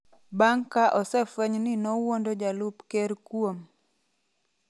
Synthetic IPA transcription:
baŋkaʔɔsɛfwɛɲnɪnowondod͡ʒalupkeɾkwom

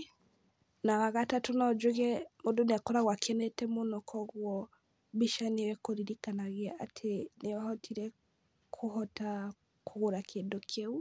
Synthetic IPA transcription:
nawaɣatatonɔd͡ʒweɣɛmodoneakɔɾaɣwakʰɛnɛtɛmonɔkʰɔɣwɔ | βiʃanewɛkoɾiɾikanaɣeaʔatʰenewahɔtʰiɾɛ | kʰohɔta | koɣoɾakʰeːndokʰeu

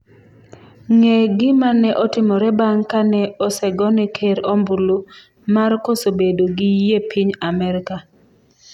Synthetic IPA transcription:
ŋeɡɪmanɛʔɔtɪmɔɾɛbaŋkanɛɔsɛɡɔnɛkʰeɾombulo | markosobedoɡɪjepiɲamɛɾɪka

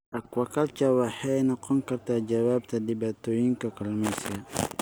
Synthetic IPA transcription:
ʔɐkwɐkɐlt͡ʃɐwaħɛjnɔqɔŋkɐrt̪ʰaːd͡ʒɐwaːb̚t̪ʰɐdɪbaːt̪ʰoːjɪŋkɐkʰɐlmɛskɐ

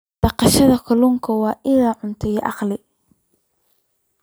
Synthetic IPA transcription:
ɖ̥ɑqɑʃɐðɐkʰɐluːŋkʰɐwɑːʔɪlaːʕʊnt̪ʰɛjʔɑqlɪ

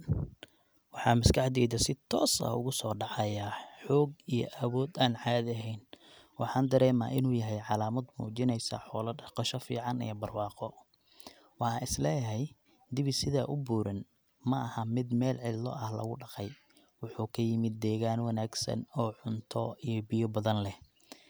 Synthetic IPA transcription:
wɑħɑːmɐskʰɑħd̪ɛːðɐsɪt̪ʰɔ̰ːsɐ̰ʊ̰ɣʊsɔːɖɑʕɑjaħɔːɡijɔ̰ʔɐwɔːd̪aːnʕɑːðɐɦɛjn | wɑħɑːnd̪ɐɾɛːma̰ːʔɪnuːjɐɦɛjʕɑlaːmɐd̪mṵːt͡ʃɪnɛjsɐ̰ħɔːlɐqɔʃɐfḭːʕɑnḭjɔbɐrwɑːqɔ | wɑħɑɪslɛːjɦɛj | d̪ɪβɪsɪðaːʔʊbuːɾɐn | mɐɐhɐmɪd̪mɛːlʕɪlːɔ̰ʔɐhlɐ̰ɣʊɖɑqɛj | wʊħuːkʰɐjɪmɪd̪ːɛːɣaːnwɑnaːɡsɐ̰nɔːʕʊnt̪ʰɔijɔbɪjɔbɐðɐnlɛh

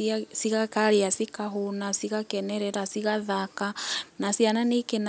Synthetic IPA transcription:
siɣakaɾeasikaɦonasiɣakɛnɛɾɛɾasiɣaðakanasiananeken

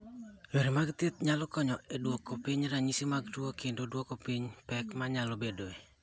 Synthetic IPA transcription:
jeɾimaɡt̪et̪̚ɲalɔkɔɲɔɛdwokːopiɲɾaɲisimaɡtuokendodwokopiɲpɛkmaɲalobedoe

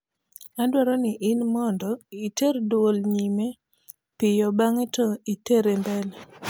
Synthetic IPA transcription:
adwɔɾɔnɪʔɪnmɔndɔiterdwolɲime | pɪjɔbaŋetɔiteɾembɛl

